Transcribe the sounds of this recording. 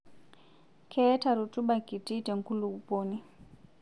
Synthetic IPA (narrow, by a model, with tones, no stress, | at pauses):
kʰɛ˦ta˨ɾu˨tu˦ɓa˨ki˨ti˦tɛ˨ŋ˨ku˦lu˨u˨poː˦ni˦